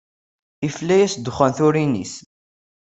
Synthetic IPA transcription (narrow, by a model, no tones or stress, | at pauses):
iflæjæsd̪χænθʊɾinḭs